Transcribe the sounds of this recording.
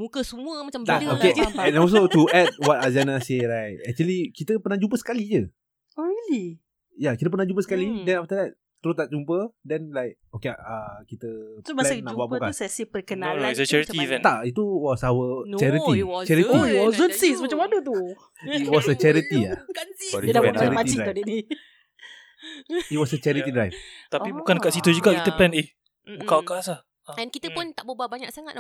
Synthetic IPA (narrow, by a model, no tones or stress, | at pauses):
mukəsəmũəmat͡ʃat̪aokeɛ̃nɔs̬ot̪uʔɛd̚wɔt̚azanaseɹajt̪̚ɛk̚t͡ʃuəlikit̪əpənahd͡ʒup̬əsə̥kalid͡ʒə | oɾili | jakit̪əpənahd͡ʒup̬əsə̥kalidɛ̃naft̪ədɛt̪̚ | t̪ːəɾʊst̪aʔt͡ʃumpədɛnlajk̚okeaəkit̪əlɛnnakbuaʔbukaɛsipəkənãot͡ʃɛɹit̪int̪aʔit̪uwɔsawət͡ʃɛɾiit͡ʃɛɾiiiwɔsɔnsismat͡ʃamadut̪u | it̪̚wɔsət͡ʃɛɾit̪ia | daɛɾiat̪iiaadidi | it̚wɔsət͡ʃɛɾit̪idɾajvt̪apibukankaʔsit̪ud͡ʒuɡaʔkit̪əplɛne | bukawkasah | ɛnkit̪əpʊnt̪aʔbubaʔbaɲaksaŋat̪̚dɔ